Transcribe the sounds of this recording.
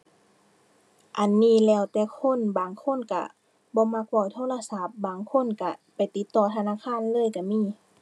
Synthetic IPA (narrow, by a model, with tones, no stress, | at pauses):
ʔa˨˩nːiː˧˥˨lɛː˧˩˨wt̪ɛː˧˩kʰo˧˥˨nbaː˨ŋkʰo˧˥˨nka̰˧˩ | bɔː˧˦ma˧˩k̚bɔ˧˩jt̪ʰoː˧˥˨la˧˨sa˧˦p̚baː˨˩ŋkʰo˧˥˨nka˧˩pa˨˩jt̪i˧˦t̪ːɔː˧˩t̪ʰa˧naː˧˥˨kʰaː˧˥˨nlɤː˧˥˨jka˧˩miː˧˨